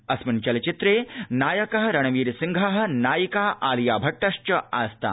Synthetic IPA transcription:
ɐsmunt͡ʃɐlt͡ʃit̪ɾeːnaːjɐkɐɦɐɾɐɳ̃ʋiːɾsiŋɡʱɐɦɐ̆naːjikaːʔaːljaːbʱɐʈːɐʂt͡ʃɐa̰ːst̪a̰ː

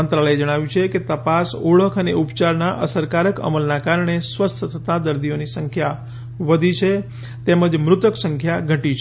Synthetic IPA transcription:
ənt̪ɾaɭəed͡ʒəɽ̃aʋjũt͡ʃʰeket̪əpasuɭəkʰəneupt͡ʃaɾnaʔəsəɾkaɾəkə̰məlnakaɾɳ̃esʋəst̪ʰət̪ʰət̪ad̪əɾd̪ionisəŋkʰja | ʋəd̪ʱit͡ʃʰe | t̪eməd͡ʒmɾʊt̪əksəŋkʰjaɡʱəʈit͡ʃʰ

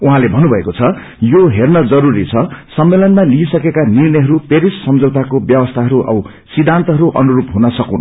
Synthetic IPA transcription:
uɦãlebʱʌnːubʱʌekot͡sʰʌ | joɦernʌd͡zʌɾuɾit͡sʰʌsʌmːelʌnmaliisʌkekanirnʌjɦʌɾupeɾisːʌmd͡zowt̪akobjʌwʌst̪ʰaɦʌɾuʔʌ̰ | sid̪ʱːant̪ʌɦʌɾuʔʌ̰nuɾupɦunʌsʌkuwn

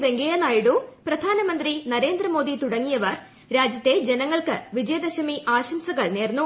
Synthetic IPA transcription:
ʋeŋɡejɐnaːjiɽuprɐd̪ʱaːnɐmɐnd̪rinɐɾe̞ːnd̪rɐmo̞ːd̪it̪uɽɐŋːijɐʋɐr | ɾaːd͡ʑjɐt̪ːe̞d͡ʑenɐŋːɐɭkɨ̰ʋid͡ʑɐjɐd̪ɐɕɐmiʔaːɕɐmsɐɣɐɭneːrnːu

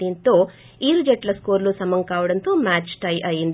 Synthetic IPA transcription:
int̪o | iːld͡ʒeʈlɐskoːɾlusɐmɐŋkaːʋɽɐnt̪umaːt͡ʃʈɐjʔɐjind̪

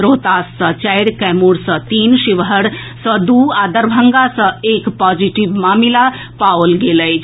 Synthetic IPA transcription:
ɾoːt̪aːsːət͡ʃajɾkɛmuɽsət̪iːnʃiʋɦəɽ | səd̪uaːd̪əɾbʱəŋɡasəeːkpad͡ʒiʈiʋmaːmila | paʋəlɡeləj

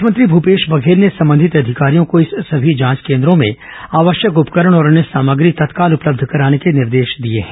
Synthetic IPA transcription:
ʊjəmə̃nt̪ɾibʱupeːʃbɐɡʱeːɾnesɐ̃mbə̃nd̪ʱɪt̪ɐd̪ʱɪkaːɾijõkoɪsːɐbʱid͡ʒãːskẽːnd̪ɾõmḛ̃ | aːʋəʃjəkʊpkəɾəɽ̃ɔːɾʊnɦesaːməɡɾit̪ɐt̪kaːlʊpləb̚d̪ʱkɐɾaːnekenɪɾd̪eːʃd̪ieɦɛ̃ː

